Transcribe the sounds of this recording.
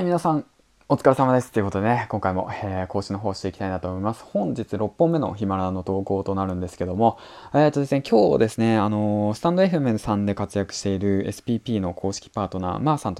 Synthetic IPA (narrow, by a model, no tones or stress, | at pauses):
mʲinasãɴ | ot͡sɨ̥kaɾisamad̪e̞sɨ̥t̪ːeiɯ̟kot̪od̪e̞nekõ̞ŋkaimo̞̰eːko̞ːɕikʲino̞ɦo̞ːɕit̪e̞ikʲit̪ainat̪o̞ːmo̞imasɨ̥hõ̞ɲd͡ʑit͡sɨɾo̞pːõ̞mːe̞no̞̰çimaɾano̞t̪o̞ːko̞ːt̪o̞naɾɯ̟̃nd̪e̞sɨ̥ke̞d̪o̞mo̞ | eːt̪ːozezekʲʰo̞̰ːd̪e̞sɨne̞ano̞sɨ̥t̪ãnd̪o̞e̞ɸɯ̟mẽɰsãnd̪e̞kat͡sɨjakɯ̟̥ɕi̥t̪e̞iɾɯ̟e̞sɨ̥pʲiːpʲiːno̞kʰo̞ːɕi̥kʲi̥paːt̪o̞na̰ːmaːsãnt̪o